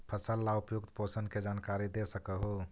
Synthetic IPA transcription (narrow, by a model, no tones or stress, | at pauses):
pʰəsəlːaupjuk̚t̪posənked͡ʒankaɾid̪esəkəɦo